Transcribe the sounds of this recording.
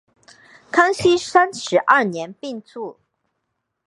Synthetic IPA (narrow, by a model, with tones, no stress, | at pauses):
kʰa˥ŋɕi˥sa˥nʂɻ̩˧˥ʔɐ˥˩njɛ˧˥npi˥˧ŋt͡su˥˩